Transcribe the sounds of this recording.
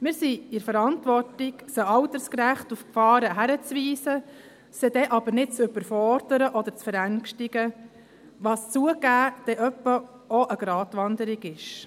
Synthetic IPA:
mɪːɾsiɪɾfəɾɑntʋɔrtɪɡsəɑwt̪əɾskɾæχtufkfɑːɾəɦæɾət͡sʋiːsə | sɛd̥̪ɛʔɑb̥əɾnɪt̚t͡sʏbəɾfɔɾdəɾəʔɔd̪əɾt͡sfəɾæŋʃtɪɡə | ʋɑːst͡suəɡæːd̥ɛʔœpːə | ɔʔəɡ̥ɾɑːtʋɑnd̪əɾiɡɪʃ

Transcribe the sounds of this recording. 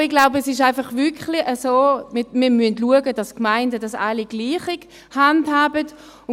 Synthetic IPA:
ɪɡ̥laʊbəɛsɪʃaɪnfɑχvʏkχliʔəsoːmɪmiɐmyəntluəɡəd̥ɑskmaɪndədɑsɑliɡ̥liːχiɡ | handhaːbət | ʊ

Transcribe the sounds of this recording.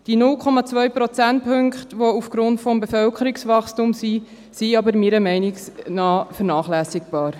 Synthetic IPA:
d̥inʊlkʰɔmɑt͡svœɥpɾɔt͡sænt̚pʰɵŋkχtʋoufɡ̥ɾʊntfɔmbefœlkʰəɾiksʋɑχstumsi | siɑbəɾmiːɾəmɛɪnɪksnɑːfəɾnɑːχlæːsɪkb̥ɑːɾ

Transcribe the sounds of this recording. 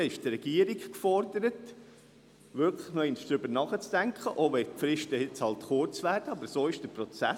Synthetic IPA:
ɛɪʃtrɛɡ̥iəɾikkfɔrdəɾət | ʋʏɾkləχnoɪnʃd̥ɾʏbəɾnɑχət͡sd̥æŋkχəʔoʋɛpfɾɪʃtəɪt͡shɑltχʊɾt͡sʋæːɾd̥əɑbəɾsoːɪʃd̥əpɾɔt͡sæ̰

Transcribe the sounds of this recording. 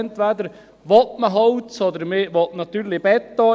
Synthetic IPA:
nt̪ʋæd̪əɾ | ʋɔtməɦɔwt͡sɔd̪əɾmeːʋɔtnɑt̪yːɾlɪb̥ɛt̪ːɔ

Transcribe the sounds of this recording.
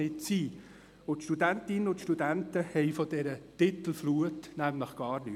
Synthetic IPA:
ɪtsiː | ʊtʃtudænt̪ɪnənʊt̪ʃtud̥æntəhɛɪfɔd̥ɛɾətɪt̪əl̩fluətnæmləχɡ̥ɑːɾny

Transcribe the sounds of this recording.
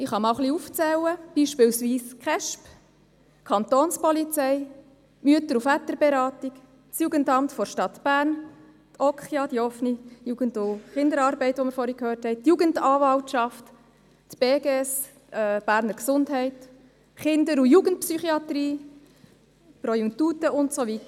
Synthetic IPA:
ɪχɑmɑʊχliuft͡sɛlːəb̥iːʃpɪlsʋiːskχɛʃp | kʰɑnt̪oːnspɔlit͡sɛɪ | myətəɾufæt̪əɾbɛɾɑːt̪ik | sjuːɡəntɑmtfɔɾʃtɑt̪b̥æːɾn | t̪ʰɔkχjɑd̥iɔfnijuːɡ̥əntuχɪnd̪əɾɑːɾbɛɪt̪ʋɔməɾfɔɾikhøːɾthɛɪt̪juːɡəndɑːʋɑltʃɑft | tb̥eːɡeɛs | b̥æːɾnəɾksʊndɦɛɪt | χɪndəɾujuːɡəntpsyχiɑt̪ɾiː | pɾɔjuŋtuːtəʊntsoʋit̪ə

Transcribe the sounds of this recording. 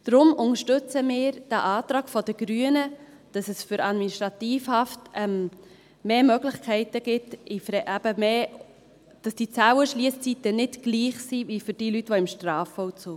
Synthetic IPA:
d̥ɾʊmʊŋəʃtʏt͡səmɪːɾd̥æʔɑːtɾɑːɡ̥fɔdəɡ̥ɾyənə | d̥ɑsɛsfʏɾɑdminiʃtɾɑt̪iːfhɑftɛm | meːmœɡlɪχkʰɛɪtəɡ̥ɪtɪfɾɛʔæb̥əmeː | d̥ɑsd̥it͡sæwəʃliəst͡sitənɪdɡ̥liːχsivifʏɾd̥iːlytʋɔɪmʃtrɑːfɔʊt͡suː

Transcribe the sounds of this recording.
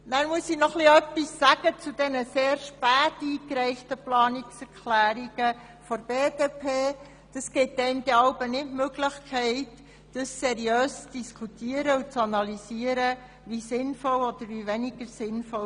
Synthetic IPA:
næːɾmuəsinɔχliœpːisːæɡ̥ət͡sudɛnəseːɾʃpæːtiːkɾɛɪftəplɑːnɪksɛɾkʰlæːɾiɡ̥ə | fɔɾb̥eːd̥eːpʰeː | d̥ɑsɡ̥ɪtːɛɪmd̥̪ɛɑʊbənɪtmøɡlɪχkʰɛɪt | d̥əsːɛɾiøːst͡sd̥iskʰut̪iːəɾəut͡sɑnɑlisiəɾə | ʋisɪnfɔlɔd̥̪əɾʋiʋɛniɡ̥əɾsɪnfɔ

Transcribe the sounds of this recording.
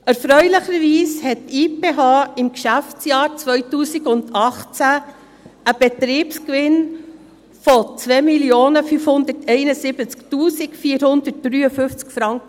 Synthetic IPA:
ɛɾfɾœʏlɪχəɾʋiːshɛttiːpeːɦɑːɪmkʃæft͡sjɑːɾt͡sʋœʏtuːsiɡʊndɑχt͡sæ | əb̥ɛt̪ɾiːpskʋɪn | fɔt͡svɛːmiljoːnəfyfhʊnd̪ətʰɛɪnəsɪb̥ət͡sktuːsɪkfiːɾhʊnd̥̪ət̚d̥ɾyːəfʏft͡skfɾɑŋkə

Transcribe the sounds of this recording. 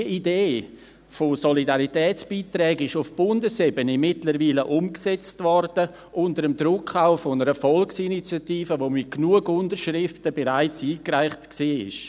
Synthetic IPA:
iideː | fosolidaɾitɛːt͡sb̥iːtɾɛːɡɪʃʊfb̥ʊndəsebənemɪtləɾviːləʔʊmksɛt͡stvɔɾd̥ə | ʔʊndəɾəmdɾʊkχaʊfonəɾəfɔlksinit͡sjatiːfəʋoːmɪt̚knuəɡʊndəɾʃɾɪftəbeɾaɪt͡siːkraɪχtksiːɪ̰ʃ

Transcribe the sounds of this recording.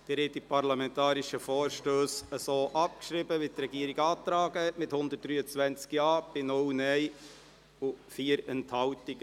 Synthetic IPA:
d̥ɛɾhɛtipʰɑɾlɑmɛntɑːɾiʃəfoːɾʃtøːsəsoːʔɑp̚kʃɾibəʋit̪ɾɛɡiːəɾiɡɑːt̪ɾɑːɡəɛtmɪthʊnd̪ət̚d̥ɾyːət͡sʋɛnt͡skjɑːb̥ɪnʊlnɛɪ | ʊfiːəɾɛnthɑʊtɪɡ

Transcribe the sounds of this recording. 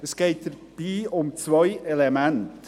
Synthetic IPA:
əsɡ̥eɪt̚d̪̥ə | b̥iːʊmt͡svœʏʔɛlemɛnt

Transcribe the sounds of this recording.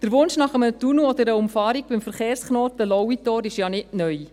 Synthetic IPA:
d̥əɾʋʊnʃnɑχəmətunuɔd̪əɾəʊmfɑːɾik̚bɪmfəɾχeːrsχnoːt̪əlɔwit̪oːɾɪʃjɑːnɪnœj

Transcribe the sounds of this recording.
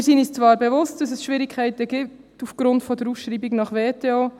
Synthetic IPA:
ɪɾsinist͡svɑːɾbɛvʊst̚d̥ɑsɛsʃʋiːɾɪkʰːæɪtəɡ̥ip̚ | tufɡ̥ɾʊntfɔdəɾusʃɾiːbiɡnɑχʋeːtʰeo

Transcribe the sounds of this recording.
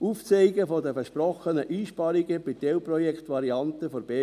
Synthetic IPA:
uft͡seɪɡəfodəfɛʃpɾɔχənəʔiːʃpɑɾiɡəb̥ɪtɛwprɔjɛkt̪ʋɑɾiɑntəfoɾb̥eː

